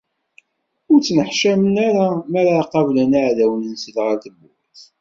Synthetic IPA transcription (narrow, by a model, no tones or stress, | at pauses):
ʊɾt͡sːnəħʃæmənaɾamæɾaqɑvlænaʕðæwənənsəðʁəɾθəbʊ̰ɾθ